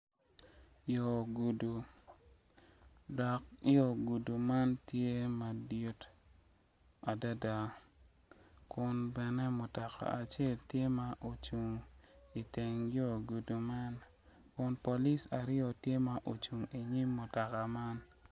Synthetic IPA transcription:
jo˨ɡu˨du˨ | dɔ˨k̚jo˦˨ɡu˨du˨ma˦ntje˦ma˨du˨t | a˨da˦da˨ | kʊ˨nbɛ˨nɛ˦mʊ˨tɔ˨ka̰˨ʔa˨t͡ʃe˦˨ltje˦ma˦ʔo˨t͡ʃu˨ŋi˨te˨ŋjo˦˨ɡu˨du˨ma˦n | kʊ˨npo˨li˦sa˨ɾɪɔ˨tje˦ma˨ʔo˨t͡ʃu˨ŋi˨ɲi˦mːʊ˨tɔ˨ka˨ma˦n

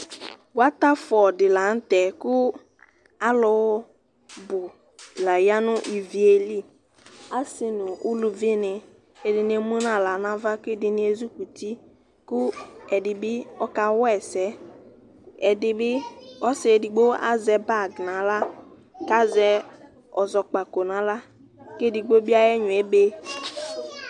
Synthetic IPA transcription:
wa˦ta˦fɔ˨dɪ˨la˨n̩˦tɛ˨kʊ˦ | a˦lɔ˨w | bʊ˨ | la˨ja˦nʊ˦ʔi˨vi˨e˨li˦˨ | a˦sɪ˨nʊ˨ʊ˦lu˨vi˦nɪ˨ | e˨dɪ˨nɪ˦e˨mũ˦nã˨la˨nã˦va˦kʊ˦e˦dɪ˨nɪ˦e˨zu˦ku˨ti˦ | kʊ˦ɛ˨dɪ˨bɪ˦ɔ˦ka˨wɛ˨sɛ˦ | ɛ˨dɪ˨bɪ˦ɔ˦sɪ˨e˨di˨ɡ͡bo˦a̰˦zɛ˨ba˦˨ɡnã˨˦la˦ | ka˦zɛ˦ | ɔ˨zɔ˨k͡pa˨ko˨nã˨˦la˦ | ke˦di˨ɡ͡bo˦bi˦a˦jɛ˦ɲʊ̃˨e˨be˦

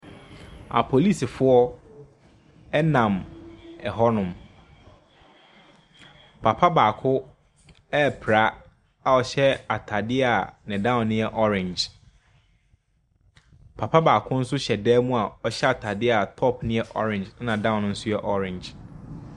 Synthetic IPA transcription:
a̰˨pʰo˨li˦˨si˨fʊ˦ɔ˦ | ɛ˦nã˨mɛ˨ɦɔ˦nʊ̃˨m | pʰa˨pʰa˦baː˨kʰʊ˦ | ɛ˦˨pʰɾa˦ | a˨ɔ˨˦ɕɛ˦a˨tʰa˨dɪ˦a˨nɪ̃˨dã˦˨ʊ̃˨nːɪ̃˦ɛ˦ʔɔ˦ɾɪ̃˨nd͡ʒ | pʰa˨pʰa˦baː˨kʰʊ˦n̩˦sʊ˦ɕɛ˨dɛː˦mũ˦a˨ɔ˦ɕɛ˦a˨tʰa˨dɪ˦a˨tʰɔ˦˨pʰnɪ̃˦ɛ˦ʔɔ̰˦ɾɪ̃˨nd͡ʒnã˨dã˦˨ʊ̃˨ñ˦n̩˦sʊ˦jɛ˨ʔɔ˦ɾɪ̃˨nd͡ʒ

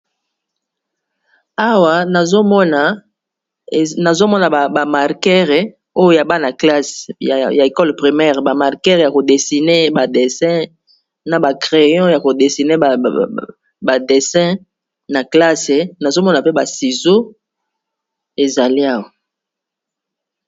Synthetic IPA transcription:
a˦wa˨na˨zo˦mɔ˦na˨ | na˨zo˦mɔ˦na˨ba˨ma˨ʁkɛ˦ʁe˨ | o˦jo˦ja˨ba˦na˨kla˦sja˨e˨kɔ˦lpʁi˨mɛ˦ʁba˨ma˨ʁkɛ˦ʁja˨ko˨de˨si˨ne˦ba˨de˨sɛ̃˦ | na˨ba˨kʁe˨jɔ̃˦ja˨ko˨de˨si˨ne˦˨ | ba˨de˨sɛ̃˦ | na˨kla˦se˨na˨zo˦mɔ˦na˨pe˦ba˨si˨zo˦ | e˨za˨li˦a˦wa˨

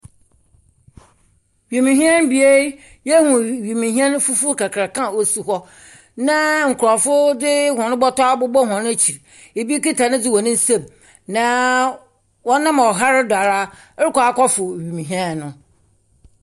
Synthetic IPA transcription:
ɥi˨mĩ˨ɦĩ˦ɛ˦n˦bi˨˦e˦ | je˦hũ˨ɥi˨mĩ˨ɦi˦ã˦n˦fu˦fu˦kʰa˨kʰɾa˨kʰã˦˨wo˨su˨ɦɔ˦ | nã˦ŋ̩˨kʰʊ˨ɾɔ˨fʊ˦dɪ˦hɔ̃˨nʊ̃˦bɔ˦tɔ˦a˦bʊ˦bɔ˦ɦɔ̃˨n˦æ˦t͡ɕʰi˨ɾ | e˨bi˦ki˦tʰa˨nɪ̃˦d͡zɪ˦wɔ̃˨nɪ̃˦n̩˦sẽ˦˨m | nã˨˦ | wɔ̃˦nã˦m˨ɔ˨ɦa˦ɾɪ˦da˨ɾa˦ | ɾɪ˦kɔ˨a˨˦kʰɔ˦fʊ˨ɥi˨mĩ˨ɦĩ˦ã˦nː˨ʊ̃˨

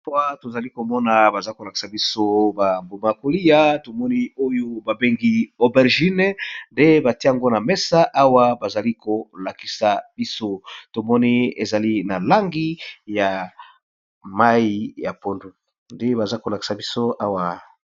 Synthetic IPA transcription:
wa˨to˨za˨li˦ko˨mɔ˦na˨ba˨za˦ko˨la˨ki̥˨sa˨bi˦so˦ba˨mbu˨ma˨ko˨li˦ja˦to˨mɔ˦ni˦o˦jo˦ba˨be˦ŋɡi˦o˨bɛ˨ʁʒi˦n˦nde˦ba˨ti˦a˨ŋɡo˦na˨mɛ˦sa˦ʔa˦wa˦ba˨za˨li˦ko˨la˨ki̥˨sa˨b̥i˦so˦to˨mɔ˦ni˦e˨za˨li˦na˨la˦ŋɡi˦ja˨ | ma˦ji˦ja˨po˦ndu˨ | nde˦ba˨za˦ko˨la˨ki̥˨sa˨bi˦so˦a˦wa˨

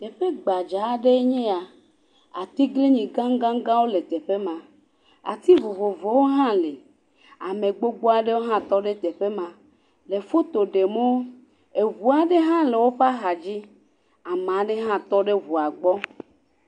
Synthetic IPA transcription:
t̪e˨ɸe˦ɡ͡ba˨d͡ʒa˨˦ɖe˦ɲẽ˦a˨ | a̰˨t̪i˦ɡle˦ɲĩ˨ɡã˦ŋ˦ɡã˦ŋ˦ɡã˦wo˦le˨t̪e˨ɸe˦mã˨ | a̰˨t̪i˦vo˨vo˨vo˨˦wo˦ɦã˦le˨ | a˨mẽ˨ɡ͡bo˦ɡ͡bo˦a˨ɖe˦wo˦ɦã˦t̪ɔ˦ɖe˦t̪e˨ɸe˦mã˨ | le˨fo˦t̪o˨ɖe˨mo˦ | e˨vu˨a˨ɖe˦ɦã˦le˨wo˦ɸa˦ɦa˨d͡ʑi˦ | a˨mã˨˦ɖe˦ɦã˦t̪ɔ˦ɖe˦vu˨a˨ɡ͡bɔ˦

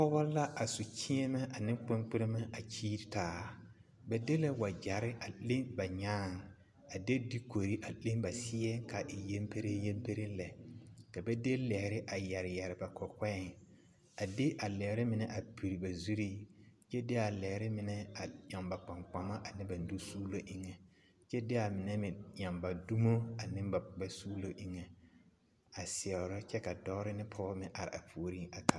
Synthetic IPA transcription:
pɔ˦bɔ˦la˦ʔa˨su˨t͡ʃi˦ɛ˦mɛ˦ʔa˨nɪ̃˦k͡pɪ˦ŋk͡pɪ˦ɾɪ˦ma˦a˨t͡ʃiː˦ɾtaː˨ | bɛ˦de˦la˦wa˨d͡ʒa˨ɾɪ˦ʔa˨le˦ŋba˨ɲaː˦˨ŋ˨ | a˨de˦di˦ko˨ɾi˦ʔa˨le˦ŋba˨sɪ˦ɛ˦ka˨ʔɪ˨je˦mpe˦ɾe˦je˦mpe˦ɾɪ˦lɛ˨ka˨bɛ˦de˦lɛ˨hɪ˨ɾɪ˦ʔa˨jɛ˨ɾɪ˨jɛ˨ɾɪ˨ba˨kʰɔ˨kɛ˦˨ŋ | a˨dɪ˦ʔa˨lɛ˨hɾɪ˦mɪ˨nɛ˦ʔa˨pi˨ɾi˨ba˨zu˦ɾiː˦t͡ʃɛ˦dɪ˦a˨lɛ˨hɾɪ˦mɪ˨nɛ˦a˨ja˨mba˨k͡pa˨ŋk͡pa˨ma˦ʔa˨nɪ˦ba˨n˨du˦suː˦lo˦ʔɪ˦ŋɛ˨ | t͡ʃɛ˦dɪ˦a˨mɪ˨nɛ˦mɪ̃˨ɲa˨mba˨du˦mo˦a˨nɪ˦m˦ba˨ba˦suː˦lo˦ʔɪ˦ŋɛ˨ | a˨sɪ˨ɛ˨ɾɔ˦t͡ʃɛ˦ka˨dɔ˦ɾɪ˦nɪ˦pʰɔː˦mɪ̃˨ʔa˨ɾɪ̰˨a̰˨pʰu˨o˦ɾi˦a˨kʰa˨

